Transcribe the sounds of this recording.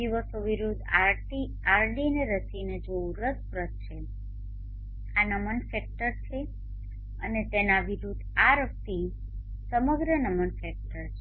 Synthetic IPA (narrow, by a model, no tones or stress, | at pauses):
iʋəsoʋiɾud̪ʱa | i | aɾɖineɾəsined͡ʒouɾəspɾət̪t͡ʃʰe | anəmənfɛk̚ʈəɾt͡ʃʰe | ənet̪enaʋiɾud̪ʱaɾək̚t̪i | səməɡɾənəmənfɛk̚ʈəɾt͡ʃʰe